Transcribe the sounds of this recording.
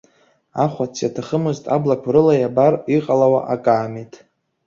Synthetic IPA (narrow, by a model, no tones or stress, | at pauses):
aχʷat͡sʰjatʰaχəmɨztʼa̰blakʷʰɾɨlajabariqʼalawaʔakʼaːmetʼ